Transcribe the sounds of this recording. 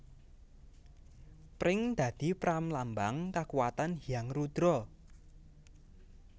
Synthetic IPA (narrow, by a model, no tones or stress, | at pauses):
pɾɪŋd̪̥a̤d̪̥i̤pɾamlambaŋkakuwat̪anɦijaŋrud̪̥ɾɔ